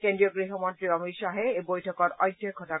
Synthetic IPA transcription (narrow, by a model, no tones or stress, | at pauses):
kendɹiɔɡɹiɦɔmɔntɹiɔmisaɦɛejbojtʰɔkɔɹɔjdʱjɔkʰːɔta